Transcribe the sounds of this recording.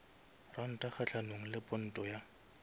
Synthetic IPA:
ran̩tʼaχat͡ɬʰanoŋ̩lɪpʼʊn̩tʼɔja

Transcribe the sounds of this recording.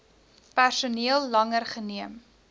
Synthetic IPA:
pærsuniəlˠːɐŋərχəniəm

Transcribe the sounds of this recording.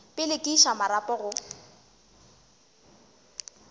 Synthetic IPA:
pʼɪlɪkʼiʃamaɾapʼɔɣʊ

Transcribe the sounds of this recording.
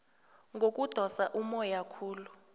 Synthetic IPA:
ŋɡʱok̬ʼud̥ʱɔsaʔumɔjakʰuːlu

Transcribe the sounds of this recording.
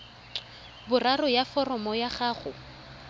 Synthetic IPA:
bʊrarʊjafɔrɔmɔjaχaːχʊ

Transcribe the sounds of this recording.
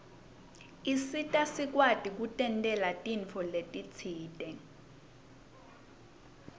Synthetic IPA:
isitʼasik̬watʼik̬utʼɛntʼɛlatʼiɱfʰɔletʼit͡sʰiːtʼɛ

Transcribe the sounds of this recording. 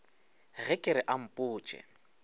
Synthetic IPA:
ɣɛkʼɪɾɪʔam̩pʼʊːt͡ʃʼɛ̰

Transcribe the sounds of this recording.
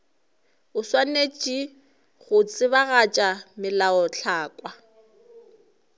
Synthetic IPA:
ʊswanet͡ʃʼi | ɣʊt͡sʼɪβaɣat͡ʃʼamɪlaɔɬʰaːkʼwa

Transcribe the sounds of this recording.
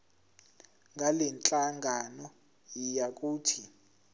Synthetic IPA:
ŋɡʱalɛnt͡ɬʼaŋɡʱanɔ | jijak̬ʼuːtʰi

